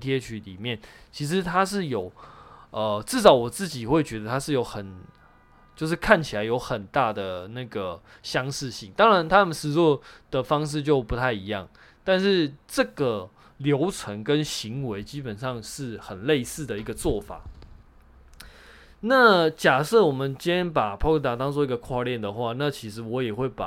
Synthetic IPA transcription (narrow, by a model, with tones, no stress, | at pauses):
t̪ʰjɛ˥t͡ɕʰy˧˥lḭ˨˩mjɛ˥˩nt͡ɕʰi˧˥ʂ̬ɻ̩˧˦t̪ʰa˥ʂ̬ɻ̩˥˩jo˨˩ʊə˨ʈ͡ʂɻ̩˥˩ʂɑ˨˥ʊwɔ˨˩t͡sɹ̩˥˩t͡ɕi˨˩xwe˥˩ɪt͡ɕɥɛ˧˥d̪ə˧t̪ʰa˥ʂɻ̩˥˩jo˧˥ʊxə˨˩n | t͡ɕjo˥˧ʊʂ̬ɻ̩˥˩kʰa˥˩nt͡ɕʰi˨˩la˨˦ɪjo˧˥ʊxə˨˩nt̪a˥˩d̪ə˩na˥˩ɡə˩ | ɕjɑ˥ŋʂɻ̩˥˧ɕi˥˩ŋt̪ɑ˥ŋɻa˧˦nt̪ʰa˥mə˨nʂɻ̩˨˩t͡swɔ˥˩d̪̥ə˩fɑ˥ŋʂ̬ɻ̩˥˧t͡ɕjo˥˩ʊpu˧˥t̪ʰa˥˩ɪi˧˦jɑ̰˥˩ŋ | t̪a˥˧nʂɻ̩˥˧ʈ͡ʂɤ˥˩ɡə˩ | ljo˧˥ʊt͡sʰwə˧˦nkə˦nɕi˧˦ŋwe˧˦ɪt͡ɕi˥pə˨˩nʂɑ˥˧ŋʂɻ̩˥˩xə˨˩nle˥˧ɪsɹ̩˥˩d̪ə˩i˧˥ɡə˧t͡swɔ˥˩fa̰˨˩˦ | na˥˨t͡ɕja˨˩sɤ˥˩wɔ˨˩mə˦nt͡ɕjɛ˥˦npa˨˩pʰɔ˥kə˥˩t̪a˨˩t̪ɑ˥ŋt͡swɔ˥˧i˧˥ɡə˨˧kʰwa˥˧ljɛ˥˩nd̪ə˩xwa˥˩na˥˩t͡ɕʰi˧˥ʂɻ̩˧˥wɔ˧˥jɛ˨˩xwe˥˩ɪpa̰˨˩